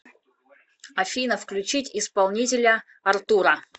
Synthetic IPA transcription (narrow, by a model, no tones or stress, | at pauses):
ɐfʲinəfklʲʉt͡ɕitʲɪspalˠnʲitʲɪlʲə | ɐrt̪uɾə